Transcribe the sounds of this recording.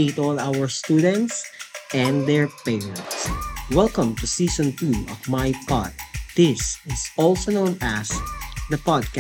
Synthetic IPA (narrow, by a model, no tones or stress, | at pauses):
it̪ɔlawəɹst̪ud̪ɛ̃nt̪sʔɛ̃nd̪ɛɹpeɹɛ̃nt̪swɛlkə̃mt̪usiːsɔ̃nt̪uɔ̰vmajpɑ̰ɹt̪̚d̪ɪsɪsɔlsonõʊ̃næsd̪ɐpɑd̪̚k